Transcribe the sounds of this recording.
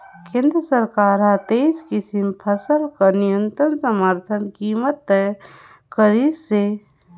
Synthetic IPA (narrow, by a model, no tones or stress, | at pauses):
kẽːnd̪ɾəsəɾkaːɾat̪eskɪsimpʰəsəlkənijə̃nt̪ɾənsəməɾt̪ʰənkiːmət̪ːɛ | kəɾisse